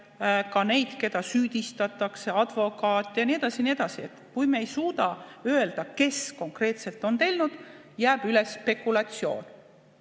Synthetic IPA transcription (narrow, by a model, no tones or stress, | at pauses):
kɑne̞jd̪̥ke̞d̪ɑsyːd̪̥ʲist̪ɑt̪ˑːɑkse̞ɑd̪̥vo̞kˑɑːt̪ːˑejɑnie̞d̪ɑsinie̞d̪̥ɑsiet̪ːkujmeejsuːd̪̥ɑøeld̪̥ɑke̞sko̞ŋkre̞ːt̪se̞lt̪ːˑo̞nt̪e̞lʲnud̪̥ | jæːb̥yle̞sːpe̞kːulɑt̪sio̞̰ːn